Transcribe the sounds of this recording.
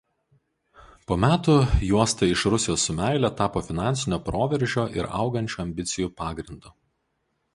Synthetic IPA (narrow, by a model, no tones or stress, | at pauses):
poːmʲæːt̪ʊjuɔst̪ɐɪʃɾʊsʲɪjoːsːʊmʲæˑɪlʲɛt̪ɑːpoːfʲɪnɑˑnʲsʲɪnʲoːpɾoːʋʲɛɾʲʒʲoːʔɪ̰ɾɐ̰ʊɡɐnʲt͡ʃʲuːɐmʲbʲɪt̪sʲɪjuːpɑːɡɾʲɪnd̪ʊ